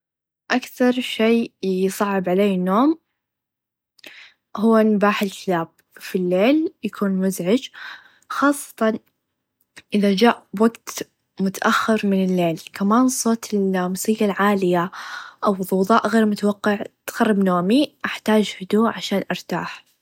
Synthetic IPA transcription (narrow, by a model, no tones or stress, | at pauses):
ʔakθɑɾˤʃeːjsˤɑʕːɪbʕaleːnːoːm | hʊwːanʊbaːħɪlkɪlaːb̚ | filːeːljakʰuːnmʊzʕɪd͡ʒ | xɑːsˤːɑ̥t̪ɑn | ʔɪðad͡ʒaːʔwaɡt̪ | mʊt̪aʔaxːɪɾmɪnɪlːeːlkamaːnsˤoːt̪ʰɪlmʊsiːɡalʕaːlɪjaʔawðˤːʊwðˤɑːʔɣeːɾmʊt̪awɑqːɑʕt̪xɑrˤːɑbnoːmiʔaħt̪aːd͡ʒhʊd̪uːʔʕaʃaːnʔɑɾˤt̪a̰ːħ